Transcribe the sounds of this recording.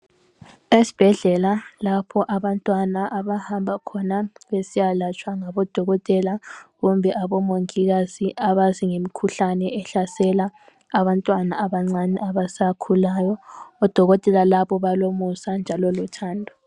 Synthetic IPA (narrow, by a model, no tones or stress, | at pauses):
esi̥b̥ʱɛɮɛlalapʰɔʔaβantʼwanaʔaβahambʱakʰɔnaβesijalat͡ʃʼwaŋaβɔd̥ʱɔɣɔtʼɛlaɣumbʱɛʔaβɔmoŋiɣaziʔaβaziŋemikʰuɬanɛɛɬasɛlaː | βantʼwanaaβaŋ͡ǀanɛ̰ʔaβasakʰulajɔɔd̥ʱɔɣɔtʼɛlalaβɔβalomusand͡ʒʱalɔlutʰaːndʱɔ